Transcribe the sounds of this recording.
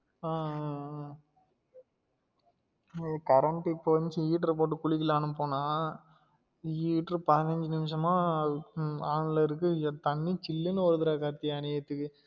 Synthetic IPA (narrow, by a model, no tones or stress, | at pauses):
aː | kɐɾɐɳʈːɪpːɐʋɐɲd͡ʒɯiːʈːɾɐp̬oːʈ̬ːɯkʊɭɪkːɪlaːnɯpoːnaː | iːʈɾɯpɐðɪnɐɲd͡ʒɯnɪmʂɐmãː | aːnlɐɪɾɯkːɯt̪ɐɳːit͡ʃɪlːɯnɯɔɾɐðɯɾaːkaːɾt̪ːijaneɐt̪ːɯkːɯ